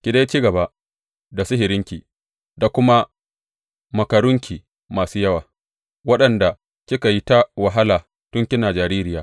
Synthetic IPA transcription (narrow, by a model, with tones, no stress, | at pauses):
kʲi˨da˦jt͡ʃi˦ɡɐ˨ba˦˨ʔ | da˨sʊ˦ɦɪ˨ɾɪ˦ŋkʲiː˨ | da˨kʷʊ˦ma˦ | mɐ˨kɐ˨ɽʊ˦ŋkʲʰiː˨ | maː˨suː˦jɐ˦waː˨ | wɐ˦ɗɐ˨nda˨ | kʲɪ˦ka˨ji˦ta˦wɐ˨ɦa˦laː˨ | tʊ˦ŋkʲɪ˦naː˨d͡ʒaː˨ɾiː˦ɾɪ˦jaː˨˦